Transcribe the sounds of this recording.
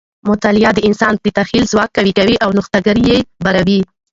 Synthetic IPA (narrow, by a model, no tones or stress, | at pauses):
mʊt̪alijɑd̪əɪnsɑnd̪ət̪axilzwɑk̚ːawiɡawiʔawnʊxt̪aɡəɾjebaɾawi